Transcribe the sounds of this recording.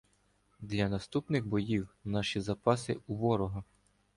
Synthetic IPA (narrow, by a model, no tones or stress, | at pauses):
d̪lʲɐnɐst̪upnɪɣbɔjiwnɑʃizɐpɑsɪuʋɔɾɔɦɐ